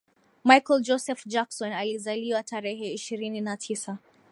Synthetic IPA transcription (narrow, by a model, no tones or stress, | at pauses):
majkɔld͡ʒɔsɛfd͡ʒaksɔnalizaliwataɾɛɦɛiʃiɾininatʰisa